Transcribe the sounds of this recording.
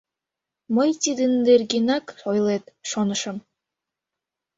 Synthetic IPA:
məjt̪id̪ɘnd̪erɡenɑkojlˠet̪ʃonə̆ʃə̆m

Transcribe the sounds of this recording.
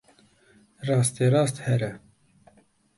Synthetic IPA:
rɑːst̪eːɾɑːst̪hɛɾɛ

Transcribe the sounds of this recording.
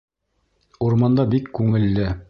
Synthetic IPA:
uɾmɑnd̪ɑbikːʉŋɘ̆lːɘ

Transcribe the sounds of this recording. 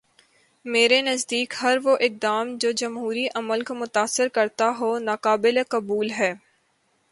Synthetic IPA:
meːɾenɐzd̪iːkhɐɾʋoʔɪk̚d̪aːmd͡ʒoːd͡ʒɐmɦuːɾiʔɐməlkomʊt̪aːsːɪɾkɐɾt̪aɦonaːqaːbɪlekɐbuːlɦɛː

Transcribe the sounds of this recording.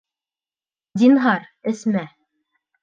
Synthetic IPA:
d̪ʲinɦɑɾɘ̆smæ

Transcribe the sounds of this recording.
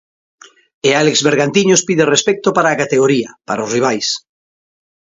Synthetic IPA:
ealekzβeɾɣant̪iɲospiðerespɛk̚t̪opaɾaːkat̪eɣoɾiapaɾaosriβ̞ajs

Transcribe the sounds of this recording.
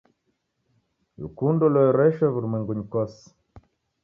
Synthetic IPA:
lṵkundɔlɔɾɛʃɔβuɾumwɛŋɡuɲikɔs

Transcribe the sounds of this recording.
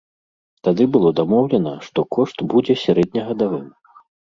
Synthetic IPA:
t̪ad̪ɨbɨlˠɔd̪amɔwlʲɛnɐʂt̪ɔkɔʂt̪bud͡zʲɛsʲaɾɛd̪̚ʲnʲɐɣɐd̪avɨm

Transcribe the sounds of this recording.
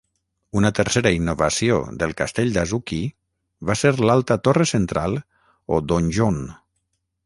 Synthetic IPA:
unət̪əɾseɾəinːoβasio̰ðəlˠkast̪eʎʲd̪azuki | βaseɾlalˠt̪ət̪oresent̪ɾalˠ | od̪onʲʒon

